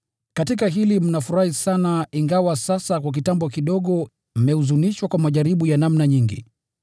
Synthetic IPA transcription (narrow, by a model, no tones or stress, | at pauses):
katikaɦilim̩nafuɾahisanaiŋɡawasasakwak̬itambɔkiɗɔɠɔ | m̩mɛuzuniʃwakwamaʄaɾiɓujanamnaɲiŋɡḭ